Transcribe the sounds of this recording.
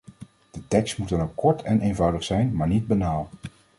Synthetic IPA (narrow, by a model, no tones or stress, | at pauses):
d̥ətɛkstmutɑnowkɔɹtʰɛnʔejnvʌwdəχsɛjnmaːɹnid̚banaːlˠ